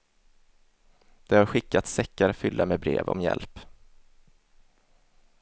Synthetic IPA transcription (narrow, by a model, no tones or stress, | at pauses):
d̪̥ɛhaɾɧɪkːat̪sɛkːaɾfʏlːamebɾḛːvɔ̰mjɛ̰lp